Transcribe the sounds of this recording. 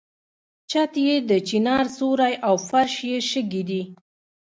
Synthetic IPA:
t͡ʃat̪jed̪ət͡ʃinɑɾsoɾajʔawfaɾʃjeʃəɡid̪i

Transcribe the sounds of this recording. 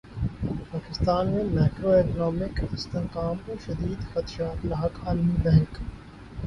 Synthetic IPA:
paːkɪst̪aːnmẽmaːkɾoeːknɔːmɪkɪst̪eɦqaːmoʃɐd̪iːd̪xɐt̪ʃaːt̪laɦəkaːlmibɛ̃ɦŋk

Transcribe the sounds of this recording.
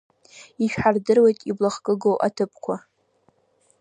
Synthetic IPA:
iʃᶣħardɨrwejtʼiblaχkʼɨɡowʔa̰tʰɨpʰkʷʰa

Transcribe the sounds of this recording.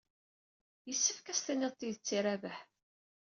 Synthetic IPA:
jəsːəfkæst̪ænɪðˤt̪ːiðət͡sːiɾævəħ

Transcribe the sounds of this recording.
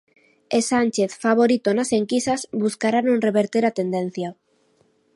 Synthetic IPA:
esanʲt͡ʃeθfaβ̞oɾit̪onaseŋkisasbuskaɾanõŋreβeɾt̪eɾat̪end̪en̟θja

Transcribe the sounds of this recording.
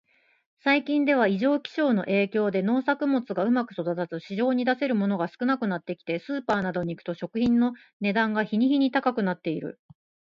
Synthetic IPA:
saikʲĩnd̪e̞β̞aiʑo̞ːkʲi̥ɕo̞ːno̞ʔe̞ːkʲo̞ːd̪e̞no̞ːsakɯ̟mo̞t͡sɨɡaɯ̟makɯ̟̥so̞d̪at̪azɨɕiʑo̞ːɲ̟id̪ase̞ɾɯ̟mo̞no̞ɡasɨ̥kɯ̟nakɯ̟nat̪ːe̞kʲi̥t̪e̞sɨːpaːnad̪o̞ɲ̟iːkɯ̟t̪o̞ɕo̞kɯ̟çĩnːo̞ | ne̞d̪ãŋɡaçiɲ̟içiɲ̟it̪akakɯ̟nat̪ːe̞iɾɯ̟̰

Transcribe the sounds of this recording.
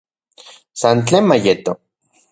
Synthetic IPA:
sant͡ɬeːnmajet̪o

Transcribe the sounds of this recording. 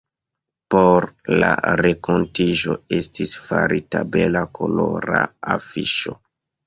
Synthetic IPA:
poɾlaɾe̞kontiʒo̞estisfaɾʔitabe̞lakʰo̞loɾaafiʃo

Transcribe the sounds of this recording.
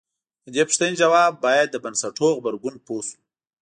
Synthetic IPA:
d̪əd̪epəʂt̪əned͡ʒawɑbːɑjad̪ːəbansaʈoɣbaɾɡunposu̥

